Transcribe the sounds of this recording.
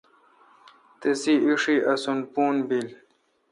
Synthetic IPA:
t̪esiiʂiʔɐsunpuːnbil

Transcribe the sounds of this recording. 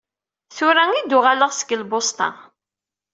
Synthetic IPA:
θʊɾæŋid̪ʊʁaləʁsə̥ɡəlbost̪ɑ̰

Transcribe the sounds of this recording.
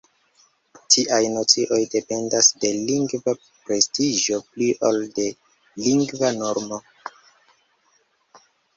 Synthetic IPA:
tʰiʔajno̞t͡siʔo̞jde̞pe̞ndasde̞liŋɡva | pɾe̞stiʒo̞pliʔolde̞ | liŋɡvano̞ɾmo̞

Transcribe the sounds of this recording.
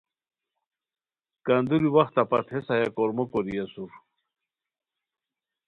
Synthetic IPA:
kand̪uɾiwaxt̪apat̪ʰesajakoɾmokoɾijasuɾ

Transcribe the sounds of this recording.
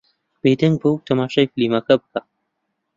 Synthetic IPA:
b̥ed̪ɐŋɡ̚bɨwt̪ʰɐmaːʃajfliːmɐkɐbɨka

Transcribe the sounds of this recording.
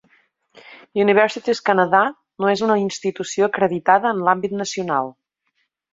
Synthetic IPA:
juniβ̞ɛɾsit̪iskənəða | noezunəinst̪it̪usioəkɾəðit̪aðəːnlambit̪nəsiuna̰lˠ

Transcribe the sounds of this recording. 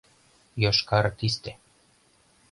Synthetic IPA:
jɑʃkɑɾt̪ist̪e

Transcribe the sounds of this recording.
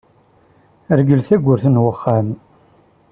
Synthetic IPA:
əɾɡəlθæɡʷːʊɾθənwəχːam

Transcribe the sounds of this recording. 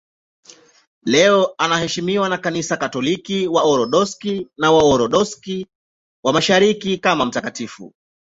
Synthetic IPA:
lɛɔanahɛʃimiwanakanisakatɔlikiwaɔɾɔɗɔskinawaɔɾɔɗɔski | wamaʃaɾikikamam̩takatifṵ

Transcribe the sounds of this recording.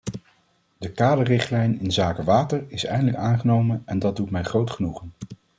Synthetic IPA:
dəkaːdərɪχtlɛjnɪnzaːkəʋaːtəɹɪsɛ̰jndələkaːnχənowmənɛndɑd̚dutmɛjχrowtχənuχən

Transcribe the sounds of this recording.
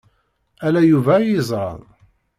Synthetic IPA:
ælæjuvæjizˤɾˤɑ̰ðˤ

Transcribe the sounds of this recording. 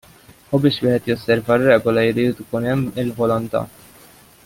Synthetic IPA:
ubɪːʃwɪːħɛt̪jɔsːɛɾvɐrːɛːɡɔlɐjɪɾiːt̪ɪkuːnɛmːɪlvɔlɔnt̪ɐ̰

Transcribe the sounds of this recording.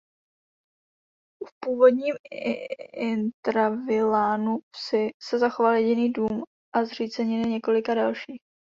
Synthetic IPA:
fpuːvo̞dɲiːm | ɪnt̪ɾavɪlaːnusɪsɛzaxo̞valjɛɟɪniːduːm | ʔazr̝iːt͡sɛɲɪlɪɲɛko̞lɪkadalʃiːx

